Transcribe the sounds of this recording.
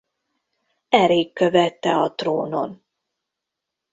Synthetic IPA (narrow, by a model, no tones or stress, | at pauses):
ɛɾeːkːø̞vɛt̪ːɛɒt̪roːno̞̰n